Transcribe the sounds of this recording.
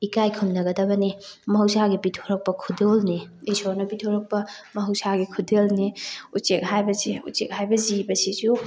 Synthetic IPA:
ikajkʰumnɐɡɐdɐbɐnimɐɦɐwsaɡipitʰoɾɐk̚pɐkʰudelni | isoɾnɐpitʰoɾɐk̚pɐmɐɦɐwsaɡikʰudelniut͡ʃek̚ɦajbɐziṵt͡ʃḛk̚ɦajbɐzibɐsizu

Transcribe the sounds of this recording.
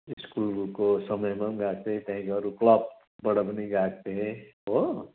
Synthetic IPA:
ɪskuːlkosɐməjmãnɡaːk̚t̪eɦɛ̃t̪ʰɛ̃kɔɾuklap̚ | bɐɽəbniɡaːk̚t̪eɦɛ̃ɦo

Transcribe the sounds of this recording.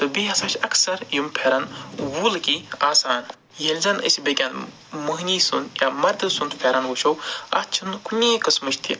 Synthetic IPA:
t̪ɨbiɦɐsɐʃʰɐksɐɾjumpʰeːɾɐnwuːlkiaːsaːn | jelʲzɐnə̰sʲbekʲan | mɨɦnʲiːsund̪jamɐɾd̪ɨsund̪pʰʲeːɾɐnʋuʃowɐ̰t͡ʃʰunkunʲeːkɨsmɨʃt̪ʰḭ

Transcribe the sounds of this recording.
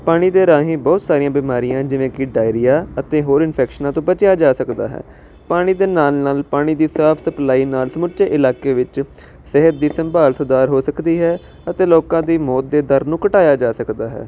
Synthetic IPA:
paːɽ̃iːd̪eːɾaːɦẽːbɔːt̪saːɾɪjãːbiːmaːɾijãːd͡ʒɪʋẽːkɪɖaːɪɾijaːət̪ẽːɦoːɾɪnpʰɛːkʃənãːt̪õːbət͡ʃjaːd͡ʒaːsəkd̪a̰ːɦɛ̰ː | paːɽ̃iːd̪eːnaːlnaːlpaːɽ̃iːd̪iːsaːpʰsəplaːiːnaːlsəmʊt͡ʃeːʔɪlaːkeːʋɪt͡ʃ | sɪɦət̪̚d̪iːsəmbaːlsəd̪aːɾɦoːsəkd̪iːɦɛː | ət̪eːloːkãːd̪iːmɔːt̪̚d̪eːd̪əɾnũːkəʈaːjaːd͡ʒaːsəkd̪aːɦɛ̰ː

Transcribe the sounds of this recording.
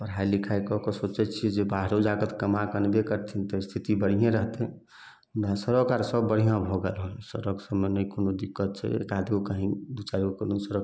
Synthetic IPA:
pəɾ̤ɦailikʰajkɔkɔsot͡ʃɛt͡ʃʰiɛd͡ʒebaɦɾod͡ʒaɡət̪kəmakənbekəɾt̪ʰint̪ɔst̪ʰit̪ibəɽ̤ijẽɾəɦt̪ɛ̃ | ãsəɾokaɾsəbːəɽ̤ijãbʱoɡɛlɦolsəɾəksəmːenəikonod̪ikːət̪̚t͡ʃʰɛ̰ḛkad̪ʱiokəɦĩb̪ut͡ʃaiokənosəɾək

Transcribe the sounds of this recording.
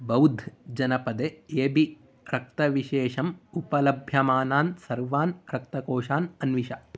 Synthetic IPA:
bɐwd̪ʱd͡ʒɐnɐpɐd̪eeːbi | ɾɐk̚t̪ɐʋiʃeːʃɐmupɐlɐbʱjɐmaːnaːnsɐɾʋaːnɾɐk̚t̪ɐkoːʂaːnɐnʋiʃɐ

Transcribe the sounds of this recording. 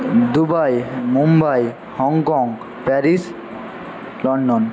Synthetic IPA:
d̪ubajmumbaj | hɔŋkɔŋɡ | pɛɾis | lɔɳɖon

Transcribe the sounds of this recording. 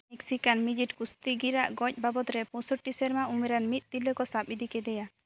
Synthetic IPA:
mɛksikanmid͡ʒiʈkust̪iɡiɾaʔɡɔc̚ˀbabɔt̪ɾɛpɔ̃sɔʈisɛɾmaumɛɾanmit̪̚ˀt̪ilːɔkɔsap̚id̪ʱikɛd̪ɛja

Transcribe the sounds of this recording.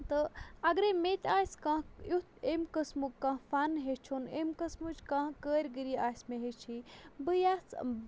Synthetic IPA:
t̪ɨɐɡɾemet̪ʲaːskãːjut̪emkəsmukkãːfaːnɦet͡ʃʰonemkɐsmud͡ʒkãːɦkəːɾʲɡiɾiaːsmeɦet͡ʃʰibɨjaːs

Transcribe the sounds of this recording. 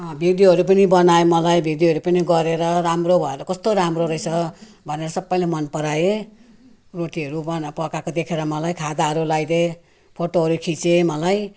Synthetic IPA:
ʌ̃bʱid̪iɦʌɾup̬ʌnibʌnaemʌlajbʱid̪iɦʌɾupʌniɡʌɾeɾʌɾamrobʱʌeɾʌkʌst̪oɾamroɾʌjt͡sʰʌ | bʱʌneɾʌsʌbːʌjlemʌnpʌɾaje | roʈiɦʌɾubʌnpʌkakod̪ekʰeɾʌmʌlajkʰad̪aɦʌɾulajd̪e | pʰoʈoɦʌɾukʰit͡semʌlaj

